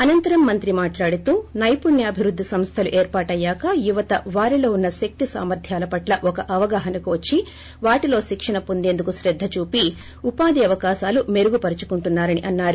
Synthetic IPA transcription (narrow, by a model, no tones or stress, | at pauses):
ɐnɐnt̪ɐɾɐmːɐnt̪ɾimaːʈlaːɽut̪uːnɐjpunjɐːbʱiʋɾud̪ʱːisɐmst̪ʰɐluʔeːɾpaːʈɐjːaːkɐjuʋɐt̪ɐʋaːɾilo̞ːunːɐʃɐk̚t̪isa̰ːmɐɾd̪ʱjaːlɐpɐʈlɐʔɔkɐʔɐʋɐɡaːɦɐnɐkuʋɐt͡ʃːi | ʋaːʈilo̞ːʃikʂɐɳnɐpond̪e̞ːnd̪ukuʃɾɛd̪ʱːɐt͡ʃuːpi | upaːd̪iɐʋɐkaːʃaːlume̞ɾuɡupɐɾit͡ʃu̥kuɳʈunːaːɾɐniʔɐnːaːɾu